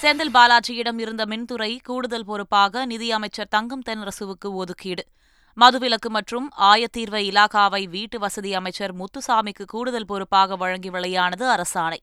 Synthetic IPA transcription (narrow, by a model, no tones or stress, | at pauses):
seːnd̪ɪlbaːlaːt͡ʃɪjɪɽɐmɪɾɯnd̪ɐmɪnt̪ɯɾɐɪkuːɽɯðɐlpɔɾɯpːaːɣɐnɪðɪjɐmɐɪt͡ʃːɐɾt̪ɐŋɡɯmt̪ɛnɾɐsɯʋɯkːɯɔðɯkːiːɽɯ | mɐðɯʋɪlɐkːɯmɐʈrɯmaːjɐt̪ːiːɾʋɐɪɪlaːkaːʋɐɪʋiːʈːɯʋɐsɐðijɐmɐɪt͡ʃːɐɾmʊt̪ːɯsaːmɪkːɯkuːɽɯðɐlpɔɾɯpːaːɣɐʋɐɻɐŋɡɪʋɐɭɐjaːnɐðɯɐɾɐsaːnɐɪ